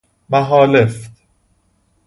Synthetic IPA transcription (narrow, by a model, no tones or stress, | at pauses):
mæɦɒːleft̪